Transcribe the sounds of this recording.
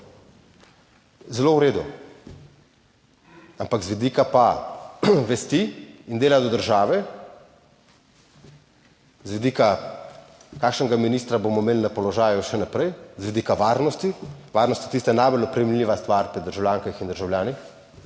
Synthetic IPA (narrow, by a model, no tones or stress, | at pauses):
zɛlowɾeːd̪u | ampakzʋɛd̪iːkapa | ʋɛst̪iind̪eːlajd̪ɔd̪əɾʒaːʋɛ | zʋɛd̪iːka | kaːkʃnɛɡaminiːst̪ɾabomɔmeːlinapɔlɔʒaːjuʃɛnapɾɛjzʋɛd̪ikaʋaɾnɔst̪iʋaːɾnɔst̪jɛt̪ist̪anajbolɔpɾɛmlʲlʲiːʋast̪ʋaɾpɾid̪əɾʒawlʲjaːŋkaxind̪əɾʒawlʲjaːnix